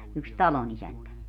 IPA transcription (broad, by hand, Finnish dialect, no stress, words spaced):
yks tɑlonisæntæ